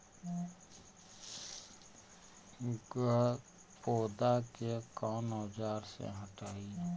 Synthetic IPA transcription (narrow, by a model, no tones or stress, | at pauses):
ɡ | poːd̪akekɔːnɔːd͡ʒaːɾsḛɦəʈaːi